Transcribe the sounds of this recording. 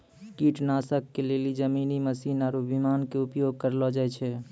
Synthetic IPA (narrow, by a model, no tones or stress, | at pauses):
kiʈnaːsəkːelelid͡ʒəminiməsiːnaːɾubʱimaːnkeʊpjoɡ̚kəɾlɔd͡ʒaɛt͡ʃʰɛ